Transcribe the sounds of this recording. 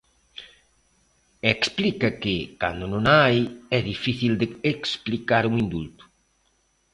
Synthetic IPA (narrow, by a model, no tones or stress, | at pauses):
eksplikɐkɪka̰nd̪ʊnõŋajɛðifiθild̪ɪeksplikaɾuŋind̪ṵlt̪ʊ̥